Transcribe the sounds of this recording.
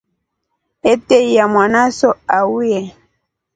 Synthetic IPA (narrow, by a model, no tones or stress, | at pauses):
etejamwanasɔawiɛ